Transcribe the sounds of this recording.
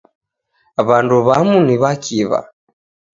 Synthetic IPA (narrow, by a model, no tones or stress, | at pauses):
βanduβamuniβakiβa̰